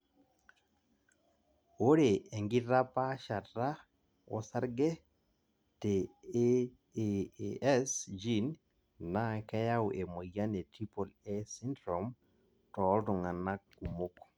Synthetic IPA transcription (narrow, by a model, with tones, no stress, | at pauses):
o˦ɾe˨e˨ŋɡɪ˦ɾa˦pa˦ʃa˨tɾa˦ | ɔ̰˦sa˦ɾɡɛ˦ | te˨ | ɛ˦sd͡ʒi˦n | na˦kɛ˦ja˦wʔe˨mo˨ja˦ne˨ti˦po˨le˦si˦ndɾo˨m | tɔ˨˦ldʊ˨ŋa˨na˦k̚ːu˨mo˦k